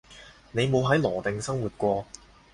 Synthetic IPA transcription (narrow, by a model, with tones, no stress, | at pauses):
ne˨˧jmo˨˧wɦɐ˨˥jlɔː˨˩t̪ɪ˨ŋsɐ˥ŋwu˨t̚kʷɔː˧